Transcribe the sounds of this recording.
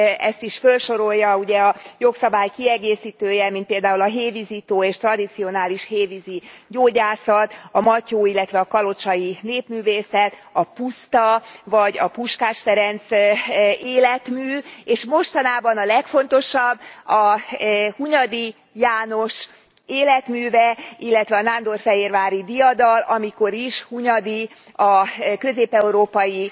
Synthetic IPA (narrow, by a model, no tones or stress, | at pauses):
ɛ̰st̪iʃfølʃo̞ɾo̞ljɒuɟɛɒjo̞ksɒbaːjkiɛɡeːsiːt̪øːjɛmint̪̚peːld̪aːulɒɦeːvizit̪oːeːʃt̪rɒd̪it̪sio̞naːliʃheːviziɟoːɟaːsɒt̪ɒmɒcoːilːɛt̪ʋɛɒkɒlo̞t͡ʃɒjineːpmyːveːsɛt̪ɒpust̪ɒvɒɟɒpuʃkaːʃfɛɾɛnt̪s | eːlɛt̪myːeːʃmo̞ʃt̪ɒnaːbɒnɒlɛkfo̞nt̪o̞ʃɒbːɒ | huɲɒd̪i | jaːno̞ʃ | eːlɛt̪myːvɛilːɛt̪ʋɛɒnand̪o̞rfɛɦeːrvaːɾid̪ijɒd̪ɒlɒmiko̞ɾiʃhuɲɒd̪i | ɒkø̞zeːpɛuɾoːpɒji